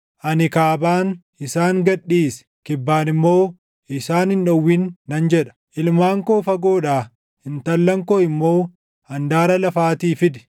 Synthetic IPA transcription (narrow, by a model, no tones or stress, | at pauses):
ʔɐnɪkaːbaːn | ɪsaːŋɡɐɗːiːs | kɪbːaːnɪmːo̞ː | ɪsaːnhɪnᶑɐwːinːɐnd͡ʒɛᶑɐ̥ʔɪlmaːŋkoːfɐɡo̞ːᶑaː | hɪnt̪ɐlːɐŋkoːɪmːo̞ː | ɐnd̪aːɾɐlɐfaːt̪iːfɪd̪ɪ̥